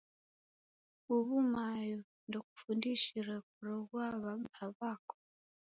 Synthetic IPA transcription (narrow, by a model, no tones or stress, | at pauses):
uβumajo | ndoku̥fundiʃiɾak̚uɾɔɡwaβaaβako̥